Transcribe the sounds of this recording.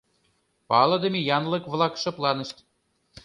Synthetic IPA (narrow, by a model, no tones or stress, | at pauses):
pɑlˠɤ̆d̪ə̆mʲejɑnlˠɤ̆kvlˠɑkʃɤ̆plˠɑnə̆ʃt̪ʲ